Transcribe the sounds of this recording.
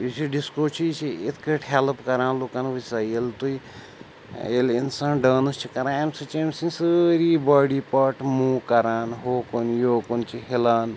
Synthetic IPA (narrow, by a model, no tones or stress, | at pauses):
it͡ʃʰiɖiskoːt͡ʃʰit͡ʃʰiet̪ʰkəʈʰhelpkɐɾaːnloːkaːnʋisaːjelt̪uj | elinsãːnɖaːnɐst͡ʃʰikɐɾãːemsɐt͡ʃemsĩnsəɾiːbaːɽiːpɐʈmuːkɐɾaːnɦoːkonjoːkunt͡ʃʰiɦelaːn